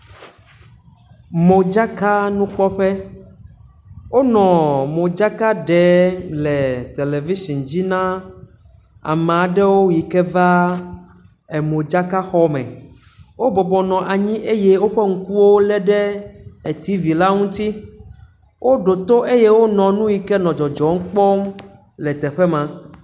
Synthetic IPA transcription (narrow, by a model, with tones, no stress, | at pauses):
mo˨d͡ʒa˦ka˦nũ˦k͡pɔ˦ɸɛ˦ | wo˦nɔ̃˨mõ˨d͡ʒa˦ka˦ɖɛ˨˦lɛ˨t̪e˨le˨vi˦ʃi˨nd͡ʑi˦nã˦ | a̰˨m˨a˨ɖɛ˦wo˦ji˨kɛ˦va˦ | ɛ˨mõ˨d͡ʒa˦ka˦xɔ˦mɛ̰̃˨ | wo˦bɔ˨bɔ˨nɔ̃˨ʔa˨ɲĩ˦ʔe˦je˦wo˦ɸɛ˦ŋ̩˦ku˦wo˦lɛ˦ɖɛ˦ɛ˨t̪i˦vi˨la˦ŋũ˦t̪i˦ | wʔo˦ɖo˨t̪o˦ʔe˦je˦wo˦nɔ̃˨nũ˦ji˨kɛ˦nɔ̃˨d͡ʒɔ˨d͡ʒɔ˨ŋ̩˦k͡pɔ˦m | lɛ˨t̪ɛ˨ɸɛ˦mã˨